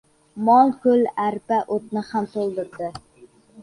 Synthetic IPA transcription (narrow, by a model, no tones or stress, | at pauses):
mɒlˠkʰɵlæɾpaʔot̪̚nɪhamt̪ʰolˠd̪ɪɾd̪ɪ